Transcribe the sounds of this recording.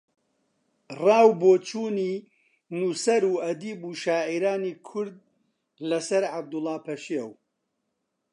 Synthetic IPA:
rɑːwboːt͡ʃʰuːniː | nusɐɾuːɐd̪iːbuːʃaːʕiɾaːniːkʰʊɾd̪̚ | lɐsɐɾʕab̚d̪ʊlˠːɑːpʰɐʃiɛw

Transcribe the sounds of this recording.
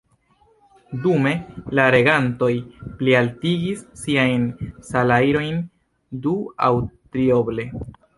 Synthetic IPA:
dume̞laɾe̞ɡanto̞jplialtiɡisːiajnsalajɾo̞jn | dua̰wtɾio̞ble̞

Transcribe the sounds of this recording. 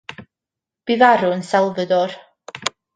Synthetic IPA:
b̥ivaɾʊənsɛlˠvədɔr

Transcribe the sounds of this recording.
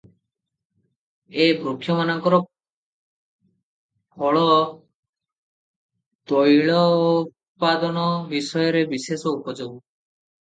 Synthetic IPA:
ebɾukʰːjɔmanɔŋkɔɾɔ | bʱɔɭɔ | d̪ɔjɭɔ | pːad̪ɔnɔbisɔjɔɾebisesɔupɔd͡ʒoɡu

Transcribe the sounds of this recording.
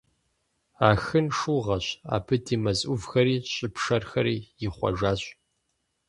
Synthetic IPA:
aːxɨnʂuːʁɐɕa̰ːpʰɨdiːmɐzʼʔʷʊvxɐɾiːɕʼɪpʂɐrxɐɾiːjɪχʷɐ̰ʒaːɕʼ

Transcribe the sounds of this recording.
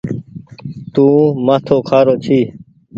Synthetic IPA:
t̪ũːmaːt̪ʰoːkʰaːɾoːt͡ʃʰiː

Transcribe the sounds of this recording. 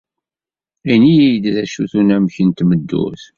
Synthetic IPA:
inijijd̪ðæʃuθunæmçənt̪məd̪ːṵθ

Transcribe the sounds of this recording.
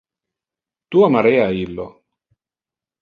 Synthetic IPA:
t̪uamaɾeaːilːo

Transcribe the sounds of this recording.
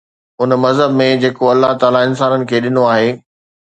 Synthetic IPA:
ʊnmɐzɦəbmẽd͡ʑeːkoɐlːaɦt̪aːlaɪns̬aːnənɪ̆kʰeːɗɪnoaːɦeː

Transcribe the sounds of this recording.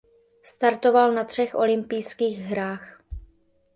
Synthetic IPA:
st̪aɾt̪o̞valnat̪r̝̥ɛxʔo̞̰lɪmpɪjskiːɣɦɾaːx

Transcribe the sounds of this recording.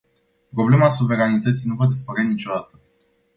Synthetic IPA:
pɾo̞ble̞masuve̞ɾanit̪ət̪sijnuvad̪ispəɾanit͡ʃo̞d̪at̪ə

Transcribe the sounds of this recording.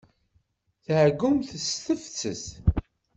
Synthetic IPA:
θʕɡʊmθəsθəft͡sːə̰s

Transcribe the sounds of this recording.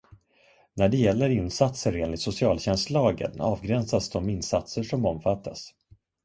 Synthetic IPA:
næɖɛjɛlːəɾɪnsat̪səɾeːnlɪɡt̪sʊsɪɑːlɕɛnslɑːɡə̰nɑːvɡɾɛnsasd̪ɔmɪnːsat̪səʂɔmɔmfat̪ʰːas

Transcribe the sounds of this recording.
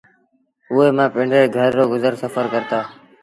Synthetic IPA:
ʊːeːmãːpɪ̃ɳɖɾeːɡʱəɾːoːɡʊzəɾsəfəɾkəɾt̪aː

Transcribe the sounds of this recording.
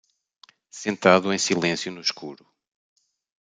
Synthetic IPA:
sẽnt̪aðuẽj̃silˠẽsjunuʃkʰuɾu

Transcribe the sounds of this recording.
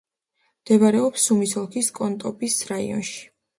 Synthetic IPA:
md̪̥ɛbaɾɛɔpsːumisɔlˠkʰiskʼɔnt̪ʼɔbisɾaḭɔ̰nʃi̥

